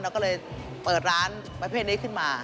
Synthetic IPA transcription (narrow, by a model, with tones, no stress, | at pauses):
nɔː˧˦˥kɔː˦˥ləː˧˩j | pəː˨˩t̚ɾaː˨˦˥n | maː˧jpʰe˦˧˥ɗi˨˦˥kʰɨ˧˩maː˧˩